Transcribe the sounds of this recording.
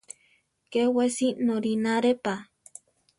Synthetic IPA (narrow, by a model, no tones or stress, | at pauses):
kewesinoɾinaɾepa